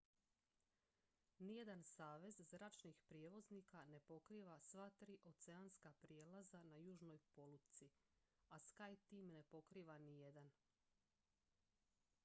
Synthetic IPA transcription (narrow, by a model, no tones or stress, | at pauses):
nije̞d̪ansaːʋe̞zzɾat͡ʃnixpɾjeʋo̞znikane̞po̞kɾiːʋasʋat̪ɾiːʔo̞t̪se̞anskapɾjelazanajuːʒno̞jpo̞lut̪si | askajt̪iːmne̞po̞kɾiːʋanije̞d̪an